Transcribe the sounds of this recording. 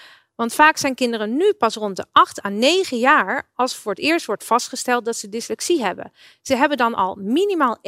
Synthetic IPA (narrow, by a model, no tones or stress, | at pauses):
ʋɑntfaːksɛjnkɪndərənːypɑsrɔntdəʔɑχtaːnejχəjaːɹɑlˠsfʊːɹətɪːɹstʋɔɹtfɑstχəstɛlˠt̚dɑtsədɪslɛksiɦɛbə̰n | z̥əɦɛbəndɑnʔɑ̰lˠminimaːlˠ